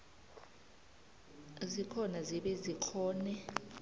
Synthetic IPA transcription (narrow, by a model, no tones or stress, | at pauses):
zikʰɔnaziɓɛzikʰɔːnɛ